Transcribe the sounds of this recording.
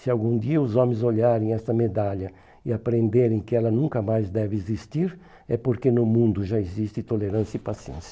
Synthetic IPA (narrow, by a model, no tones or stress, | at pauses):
sɪawɡũd̪iɐʊzɔ̃mẽzoʎaɾẽj̃ɛst̪ɐmed̪aʎɐ | ɪapɾẽnd̪eɾẽj̃kɪɛlɐnũŋkɐmajzd̪ɛvɪezist̪iɾ | ɛpoɾkenʊmũnd̪ʊʒaezist̪ɪt̪oleɾɐ̃sjɐipasiḛ̃sjɐ